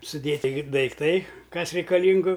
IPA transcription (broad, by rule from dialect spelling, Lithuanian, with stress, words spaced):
sʊˈdʲeːtʲɪ dɐɪkˈtɐɪ ˈkɐs rʲɛɪkɐˈlʲiːŋɡʊ